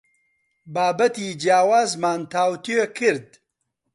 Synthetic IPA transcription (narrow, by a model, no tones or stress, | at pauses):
baːbɐt̪iːd͡ʒjaːwaːzmaːnt̪ʰaːwt̪økʰɨɾd̪̚